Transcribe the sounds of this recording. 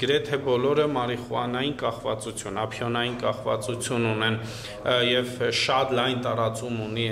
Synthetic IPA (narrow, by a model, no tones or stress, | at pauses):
ɡəɾɛt̪ʰɛbɔlɔɾəmɑɾiχuɑnɑjinkɑχvɑt͡sut͡sʰjunɑpʰjɔnɑjinkɑχvɑ̰t͡sut͡sʰjununɛn | jɛvʃɑt̪lɑjnt̪ɑɾɑt͡sumuni